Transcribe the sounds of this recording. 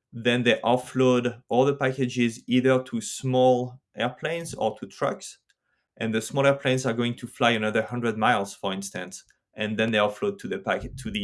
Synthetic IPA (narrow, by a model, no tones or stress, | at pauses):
ðɛ̃nðeɪʔɔfloɾʔɔlˠðəpækɨd͡ʒɪziðə˞tʰusmɔlʔɛɹpʰlẽɪ̃nzɔ̰˞tʰutʰɹ̥ʌ̰ks | ʔɛ̃nðəsmɔlˠɛɹpʰlẽɪ̃nzə˞ɡoɪ̃ŋtʰuflajə̃nʌðə˞hʌ̃ndɹəd̚maɪlˠz̥fə˞ɪ̃nstə̃ns | ʔɛ̃nðɛ̃nðeɪɔflod̚tʰuðɨpæktʰuði